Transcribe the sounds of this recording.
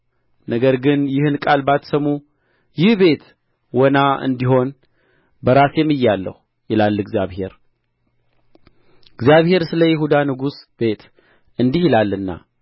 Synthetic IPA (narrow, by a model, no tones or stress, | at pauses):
nəɡəɾɡɨnjɪhɨnkʼalbat̪səmu | jɪhbe̞t̪ | wɔnaɨ̰nd̪iho̞n | bəɾasjɛmːɨjːalːə̰hu | jɪlalːɨɡzjaβhe̞ɾ | ɨɡzjaβhe̞ɾsɨləjɪɦud̪anɨɡusbe̞t̪ | ɨnd̪ihɪlalːɨnːa̰